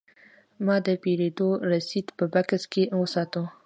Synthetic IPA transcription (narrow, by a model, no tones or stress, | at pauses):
mɑd̪əpeɾed̪oɾasid̪pəbakaskewəsɑt̪u